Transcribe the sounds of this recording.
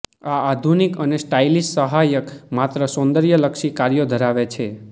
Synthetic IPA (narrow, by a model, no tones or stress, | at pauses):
aad̪ʱunikənesʈailissəɦajəkmat̪ɾəsõnd̪əɾjələkʃikaɾjod̪ʱəɾaʋet͡ʃʰe